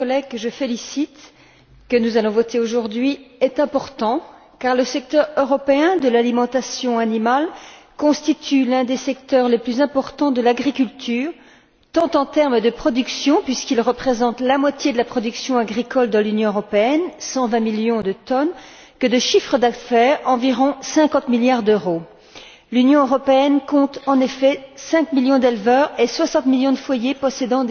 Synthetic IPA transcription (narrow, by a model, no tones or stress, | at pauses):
kɔlɛɡʒəfelisit̪ | kənuzalɔ̃vɔt̪eoʒuʁd̪ɥiɛt̪ɛ̃pɔʁt̪ɑ̃ | kaʁləsɛk̚t̪œʁøʁɔpeɛ̃d̪əlalimɑ̃t̪asjɔ̃animal | kɔ̃st̪it̪ʰylɛ̃d̪esɛk̚t̪œʁleplyzɛ̃pɔʁt̪ɑ̃d̪əlaɡʁikʲylt̪ʰyːʁ | t̪ɑ̃t̪ɑ̃t̪ɛʁməd̪əpχɔd̪yksjɔ̃pɥiskilʁəpχezɑ̃t̪lamwat̪jed̪əlapχɔd̪yksjɔ̃aɡʁikɔld̪ɑ̃lynjɔ̃øʁɔpeɛnsɑ̃vɛ̃miljɔ̃d̪ət̪ɔn | kəd̪əʃifχəd̪afɛːʁɑ̃viʁɔ̃sɛ̃kɑ̃t̪miljaʁd̪øʁo | lynjɔ̃øʁɔpeɛnkɔ̃t̪ɑ̃nefɛsɛ̃kmiljɔ̃d̪ɛlvœʁeswasɑ̃t̪miljɔ̃d̪əfwajepɔsed̪ɑ̃d̪